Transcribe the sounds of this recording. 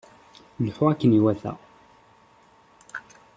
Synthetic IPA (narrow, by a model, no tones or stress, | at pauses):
lħuækːəniwæθæ̰